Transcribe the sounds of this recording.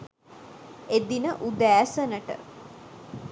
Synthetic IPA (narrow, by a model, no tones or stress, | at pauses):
ed̪inəʔud̪æːsənəʈə̰